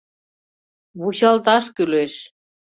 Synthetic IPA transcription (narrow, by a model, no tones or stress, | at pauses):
βuɕɑlt̪ɑʃkyleʃ